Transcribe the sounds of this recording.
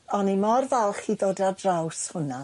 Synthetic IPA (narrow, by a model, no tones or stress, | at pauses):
ɔnimɔrvɛlˠχiðoːdadrawshʊna